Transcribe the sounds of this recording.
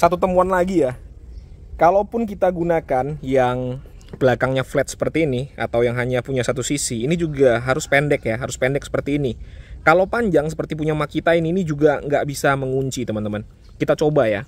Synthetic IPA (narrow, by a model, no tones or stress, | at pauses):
sat̪ut̪əmpuanlaɡija | kalowpʊnk̬it̪aɡunakanjaŋ | b̥əlakaŋɲaflɛt̪̚sə̥pərt̪iːnia̰t̪awjaŋɦaɲapuɲasat̪usisiːnid͡ʒuɡaɦaɾʊspɛndɛkjaɦaɾʊspɛndɛk̚sə̥pərt̪iːnikalowpaɲd͡ʒaŋsəpərt̪ip̬uɲamakit̪ainiːnid͡ʒuɡaŋɡaʔbisaməŋuɲt͡ʃit̪əmant̪əman | kit̪at͡ʃobaja